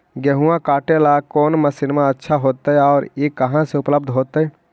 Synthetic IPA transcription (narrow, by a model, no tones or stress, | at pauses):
ɡɛɦuãkaːʈelakɔːnməsɪnmãətːʃʰaɦoːt̪ɦɛɔːɾjekəɦãseʊpləb̚d̪ʱɦoːt̪ɦɛ